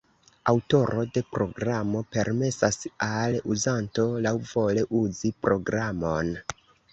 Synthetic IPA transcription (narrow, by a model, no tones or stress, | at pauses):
awto̞ɾʔo̞de̞pɾo̞ɡɾamo̞pe̞ɾme̞sasaluzanto̞lawvo̞le̞ʔuzipɾo̞ɡɾamo̞n